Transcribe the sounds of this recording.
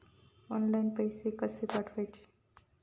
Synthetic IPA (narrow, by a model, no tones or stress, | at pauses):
ɔnlajnpəjsekəsepaʈʰʋəjt͡ʃʰe̥